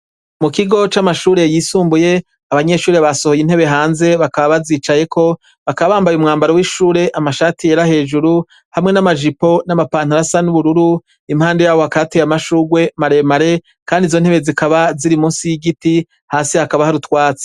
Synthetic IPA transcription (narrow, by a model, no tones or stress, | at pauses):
mukiɡo̞t͡ʃamaʃuːɾe̞jiːsuːmbuje̞ | aβaɲe̞ʃuːɾeβaso̞ho̞jin̥he̞βe̞ɦaːnze̞βakaβaβaziːt͡ʃaje̞kʰo̞ | βakaβaβaːmbajumŋaːmbaɾowiʃuːɾe̞ʔamaʃaːtijeɾahe̞ːʒuɾu | hamŋe̞namaʒipo̞namapaːn̥haɾasanuβuɾuɾu | imhaːnde̞jaːβo̞akatejamaʃuːɡwe̞maɾe̞maɾe̞ | kaːndizo̞nhe̞βe̞zikaβaziɾimuːnsijiɡiti | haːsihakaβahaɾutwaːt͡se̥